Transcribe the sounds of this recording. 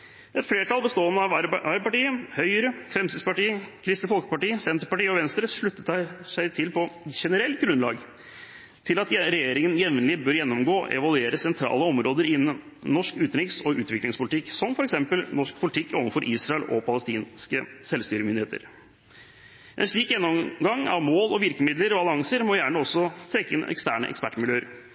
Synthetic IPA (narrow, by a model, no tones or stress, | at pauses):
ʔɛt̪fleːɾʈ̪ʰɑlˠbəst̪oːənːəɑʋɑɾəpɑʈiːəhœʏəɾəfɾɛmsɪd̪spɑʈiːəkʰɾɪst̪əfɔlkə̥pɑʈiːəsɛnt̪əɾpɑʈiːəɔʋɛnst̪ɾəʂɭʉt̪ːət̪æʂæɪt̪ʰɪlpʰɔʃɛnəɾɛlt̪̚ɡɾʉnlɑ̰ːɡ | t̪ʰɪlɑt̪ɾɛjeːɾɪŋənjɛʋnlɪbøːɾjɛnːɔmɡoːʔɛ̰ʋɑlʉeːɾəsɛnt̪ʰɾɑ̰ːləɔmɾoːd̪əɾɪnːən | nɔʂkʉːt̪ɾɪksɔʔʉːt̪ʋɪklɪŋspʊlɪt̪ɪkːsɔmfɔɾɛksɛmpəlnɔʂk̚pʰʊlɪt̪ʰɪkːoːʋənfɔɾʔiːsɾɑɛlɔpʰɑləst̪iːnskəsɛlst̪yːɾəmʏnd̪ɪheːt̪ə̰ɾ | ʔɛ̰nʂɭiːkjɛnːɔmɡɑŋːɑ̰ʋmoːlɔʋɪɾkəmɪd̪ləɾɔbɑlɪɑŋsəɾmɔjæːɳəɔsːɔt̪ʰɾɛkːəɪ̰nɛ̰kst̪æːɳə̰ʔɛ̰kspæʈːmɪljøːəɾ